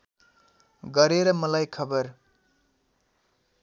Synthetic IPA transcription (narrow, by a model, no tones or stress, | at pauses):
ɡʌɾeɾʌmʌlajkʰʌbʌr